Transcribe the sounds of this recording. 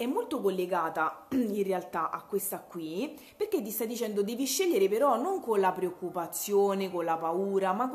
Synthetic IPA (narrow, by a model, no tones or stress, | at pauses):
ɛmːolt̪okolːeɡaːt̪ainrealt̪aʔakːwest̪akːwi | perk̟et̪ːist̪ajd̪it͡ʃɛnd̪od̪ɛːviʃːeʎːeɾepeɾɔnoŋkonlapɾeokːupat̪sːjoːnekonlapauːɾama